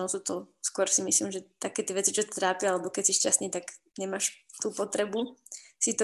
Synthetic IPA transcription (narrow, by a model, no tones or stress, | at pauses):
ɔsuːt̪ɔskʊɔɾsimisliːmʒɛt̪akɛːt̪jɛʋɛt͡sit͡ʃɔt̪t̪ɾaːpjaalɛbɔkɛsiʃcast̪niːt̪aɡ | ɲɛmaːʃt̪uːpɔt̪ɾɛbusit̪ɔ